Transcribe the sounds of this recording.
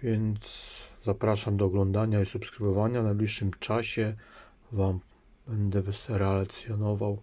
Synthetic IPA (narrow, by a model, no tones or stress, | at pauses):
vʲjɛnt̪szapɾaʂamd̪ɔːɡlɔnd̪aɲaisupskɾɘvɔvaɲanajblʲiʂːɘmt͡ʂaɕɛ | vam | bɛnd̪ɛvɛsɛɾɛlat̪sjɔnɔvaw